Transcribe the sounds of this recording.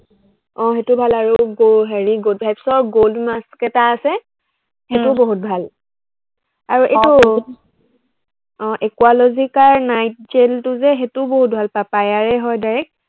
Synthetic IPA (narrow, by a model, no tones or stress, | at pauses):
ɔ̃xetʊbʱalaɹuɡoɦeɹiɡoldbʱajpsɔɹɡoldmaskɛtaːsɛ | hetʊboɦut̚bʱal | aɹuʔetu | ɔ̃ʔɛkualozikaɹnajt̚d͡ʒeltʊzɛɦetʊboɦut̚bʱalpapajaɹɛɦɔjdaɹɛk̚